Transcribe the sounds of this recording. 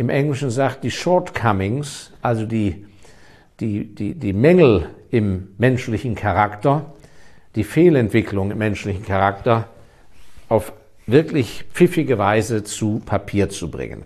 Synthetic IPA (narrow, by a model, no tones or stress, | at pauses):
ʔɪmʔɛŋlɪʃn̩zaːt̚d̥iːʃɔɐtkʰamɪŋsʔalzodiː | d̥iːdiːdiːmɛŋl̩ʔɪmːɛnʃlɪçn̩kʰaʁaktɐ | d̥iːfeːlɛntv̥ɪkʰlʊŋɪmːɛnʃlɪçn̩kʰaʁaktɐ | ʔaʊf | vɪɐklɪçpp͡fɪfɪɡəvaɪzət͡supʰapʰiːɐt͡subʁɪ̰ŋə̰n